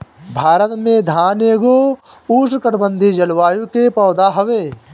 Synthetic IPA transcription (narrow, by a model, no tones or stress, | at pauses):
bʱaːɾət̪mẽd̪ʱaːneːɡo | uːs̬kəʈbə̃nd̪ʱid͡ʒɐlʋaːjukepɔːd̪aɦəʋeː